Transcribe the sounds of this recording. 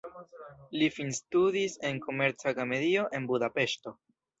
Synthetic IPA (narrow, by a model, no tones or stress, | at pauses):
lifinstudise̞nko̞me̞ɾt͡saɡame̞ɾio̞ʔe̞nbudape̞ʃto̞